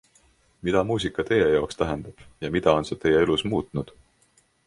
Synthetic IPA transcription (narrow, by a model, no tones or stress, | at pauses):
mid̪̥ɑmuːs̬ikːˑɑt̪e̞je̞jɑokst̪æɦe̞nd̪̥ɑb̥jɑmid̪̥ɑo̞nset̪e̞je̞elusmuːt̪ˑnud̪̥